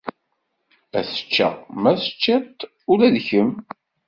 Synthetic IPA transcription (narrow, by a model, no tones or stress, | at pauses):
æsə̥t͡ʃːæ̰mæsə̥t͡ʃːæt̪ | ʊlæðçəm